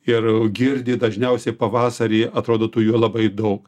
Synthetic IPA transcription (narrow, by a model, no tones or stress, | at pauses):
ɪrɡʲɪɾʲd̪ʲɪːd̪ɐʒʲnʲɛʊsʲɛɪpɐʋɑːsɐɾʲiːɐt̪ɾoːd̪oːt̪ʊjuɔlˠɐbɐɪd̪ɐʊk